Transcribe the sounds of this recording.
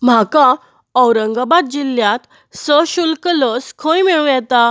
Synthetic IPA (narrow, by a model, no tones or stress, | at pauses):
m̤aka | əwɾəŋɡabat̪̚d͡ʑiljãt̪ | səɕulkəlɔskʰə̃jmiɭũjɛt̪a